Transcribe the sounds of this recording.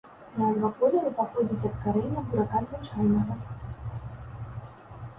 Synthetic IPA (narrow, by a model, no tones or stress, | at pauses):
nazvɐkɔlʲɛɾupaxɔd͡zʲit͡sʲɐt̪kaɾɛjnʲɐd̪uɾakazvɨt͡ʂajnɐɣɐ